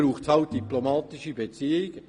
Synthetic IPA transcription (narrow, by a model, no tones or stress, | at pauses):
ɾuːχtshaʊt̚d̥iplomaːtɪʃibet͡siːɪɡ